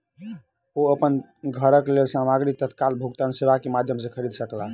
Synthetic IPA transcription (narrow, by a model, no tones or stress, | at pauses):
oəpən | ɡʱəɾəklelsamaɡɾik̚t̪ət̪kalbʱuɡt̪ansebakemad̪ʱjəmsekʰəɾid̪ʱsəkla